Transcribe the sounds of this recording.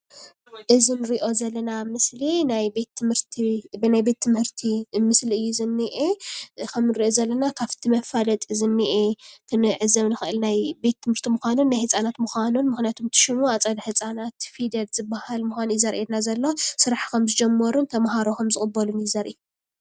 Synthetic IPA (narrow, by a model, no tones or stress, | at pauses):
ʔɨzinɨɾiʔo̞zɐlːɐnamɨslinajbe̞t̪ʰːɨmɨɾt̪ʰibɨnajbe̞t̪ʰːɨmhɨɾt̪ʰimɨsliɨjːuzɨnːiʔekʰɐmnɨɾiʔozɐlːɐnakʰaβt̪ʰimɐfalɐt̪ʼizɨnːiʔet̪ʰɨnɨʕɨzɐβnɨxɨʔɨlnajbe̞t̪ʰːɨmhɨɾt̪ʰimuxʷanunːajhɨt͡sʼanat̪muxʷanunmɨxnjat̪ʰomt̪ʰɨ̥ʃɪmuat͡sʼɐd̪ħɨt͡sʼanat̪fid̪ɐlz̥ɨbːahalmuxʷanjɪzɐɾʔed̪nazɐlːosɨɾaħkɐmzɨd͡ʒɛmːɐɾunt̪ʰɐmaɦaɾoxʰɐmzɨkʼɨbːɐlunɪzɐɾʔij